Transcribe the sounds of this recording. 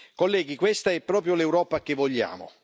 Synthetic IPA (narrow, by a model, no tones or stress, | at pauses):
kolːɛːɡikwest̪aɛpːɾɔːpɾjʊlɛwɾɔːpak̟evːɔʎːa̰ːmʊ̰